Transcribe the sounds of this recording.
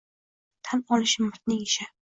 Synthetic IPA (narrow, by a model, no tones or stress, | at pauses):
t̪ʰanɒlɪʃɪmɪɾt̪̚nɪŋɪʃa